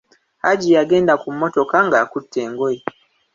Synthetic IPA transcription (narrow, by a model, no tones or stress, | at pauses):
aɟijaɡe̞ːndakumːo̞to̞kaŋɡaːkutːe̞ːŋɡoji